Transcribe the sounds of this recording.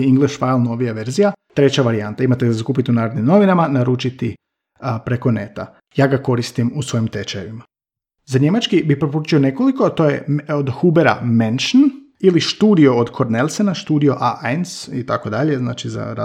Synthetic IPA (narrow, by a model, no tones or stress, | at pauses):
iŋɡlˠeʃfalˠno̞ʋijaʋe̞ɾzijat̪ɾe̞t͡ɕaʋaɾiant̪aimat̪easakuːpit̪iunaːɾod̪nimno̞ʋinamanaɾut͡ʃit̪i | pɾe̞ko̞ne̞t̪a̰ | jaːɡako̞ɾist̪imusʋo̞jimt̪et͡ʃajeʋima | zaɲe̞mat͡ʃkibipɾo̞p̬oɾuːt͡ʃio̞ne̞ko̞likoat̪o̞ːje̞̰od̪xubeɾa̰menʃn | iliʃt̪uːd̪io̞od̪kʰo̞ɾnelʲˠsenaʃt̪uːd̪io̞ʔaʔajnsit̪ako̞d̪aʎe̞zna̰ːt͡ʃiza̰ɾa̰